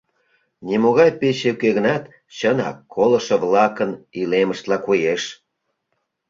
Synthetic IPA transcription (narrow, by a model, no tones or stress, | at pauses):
nʲimoɣɑjpeɕekeɣənɑt̪ | t͡ɕənɑ̰kʰːolə̆ʃeβlɑkənileməʃt̪lɑkujeʃ